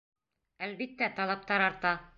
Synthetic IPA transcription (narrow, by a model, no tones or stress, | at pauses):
ælbit̪ːæt̪ɒlˠɑp̚t̪ɑɾɒɾt̪ɑ